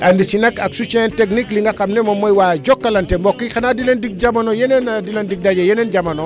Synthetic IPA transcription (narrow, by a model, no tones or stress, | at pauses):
ʔandisinekaksut͡ʃenteknikliŋɡakamnemomːojwad͡ʒokːalɐntembokːixanadilendik̚d͡ʒamanojenenadilendik̚dad͡ʒajenend͡ʒamɐno